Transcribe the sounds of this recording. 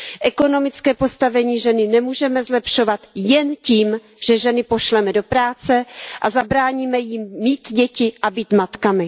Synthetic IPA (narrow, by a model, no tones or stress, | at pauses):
ʔɛko̞no̞mɪt͡skɛːpo̞st̪avɛɲiːʒɛnɪnɛmuːʒɛmɛzlɛpʃo̞vat̪jɛnciːm | ʒ̥ɛʒɛnɪpo̞ʃlɛmɛdo̞pɾaːt͡sɛʔazabɾaːɲiːmɛjɪmːiːt̪ɟɛcɪʔabiːt̪mat̪kamɪ